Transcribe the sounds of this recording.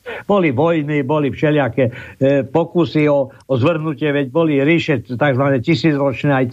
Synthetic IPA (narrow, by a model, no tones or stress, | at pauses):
bɔliʋɔjnibɔlifʃɛlɪakɛpɔkusiɔ | ɔzʋr̩ɦnucɪɛʋɛɟ̚bɔliɾiʃɛt̪aɡzʋaɲɛcisiːd͡zɾɔt͡ʃnɛːaj